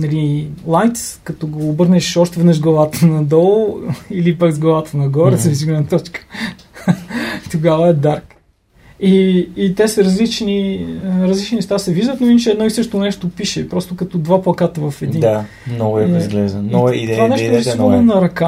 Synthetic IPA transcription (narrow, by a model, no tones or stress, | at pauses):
nɐlilˠajt̪skɐt̪ɔɡoːbəɾnɛʃɔʃt̪ɛvɛd̪nəʃʒɡlˠɐvat̪ənɐd̪ɔlˠilipakzɡlˠɐvat̪ənɐɡɔɾɛsəvziɡlɛd̪nət̪ɔt͡ʃkə̥ | t̪oɡavəɛd̪aɾk | iːt̪ɛsəɾɐzlit͡ʃniɾɐzlit͡ʃninɛʃt̪asɛviʒd̪ət̪noint͡ʃɛɛd̪nɔisɤʃt̪onɛʃt̪opiʃɛpɾɔst̪okɐt̪ɔd̪vaplˠɐkat̪əvɐfɛd̪ina | mnɔɡʊɛzɡlɛʒd̪ə̰it̪vanɛʃt̪ɛsnɐɾɐka